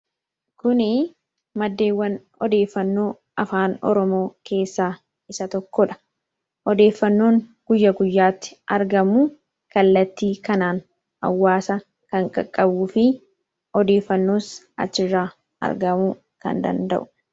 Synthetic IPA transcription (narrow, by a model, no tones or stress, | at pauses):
kʊnɪ | mɐd̪ːe̞ːwːɐn | ɔd̪e̞ːfːɐnːo̞ː | ɐfaːnɔ̰ɾɔmo̞ːke̞ːsːaː | ɪsɐt̪ɔkːɔᶑɐ̥ | ɔd̪e̞ːfːɐnːo̞ːŋɡ̥ʊjːɐɡʊjːaːt̪ːɪ̥ʔɐɾɡɐmu | kɐlːɐt̪ːiːkɐnaːn | ɐ̰wːaːsɐ | kɐŋkʼɐ̰kʼːɐbufɪ | ɔd̪e̞ːfːɐnːo̞ːs | ɐ̰t͡ʃːɪrːaː | ɐ̰ɾɡɐmu | kɐ̰nd̪ɐ̰nd̪ɐ̰ʔʊ̥